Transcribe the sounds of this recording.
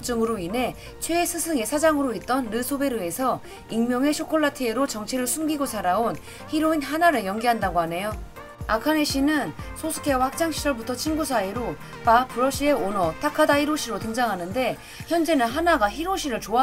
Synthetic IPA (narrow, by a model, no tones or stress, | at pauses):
t͡ɕ͈ɯŋɯɾoine̞ | t͡ɕʰweːsʰɯsʰɯŋe̞sʰad͡ʑaŋɯɾoet̚t͈ʌnɾɯsʰobe̞ɾɯe̞sʰʌ | iŋmjʌŋe̞ɕʰokʰoɭːatʰɯe̞ɾot͡ɕʌŋt͡ɕʰiɾɯɭsʰumɡiɡosʰaɾaon | çiɾoinɦanaɾɯɭjʌŋɡiɦandaɡoɦane̞jo | akʰane̞ɕʰinɯnsʰosʰu̥kʰe̞wahak̚t͡ɕ͈aŋɕʰid͡ʑʌɭbutʰʌt͡ɕʰinɡusʰaeɾo | papʰɯɾʌɕ͈ie̞onʌtʰakʰadaiɾoɕʰiɾotɯŋd͡ʑaŋɦanɯnde̞ | çjʌnd͡ʑe̞nɯnɦanaɡaçiɾoɕʰiɾɯɭt͡ɕoa